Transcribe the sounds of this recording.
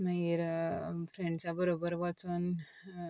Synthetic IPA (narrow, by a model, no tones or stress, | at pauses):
mãiɾfʰɾeɳɖt͡sabəɾobəɾʋat͡son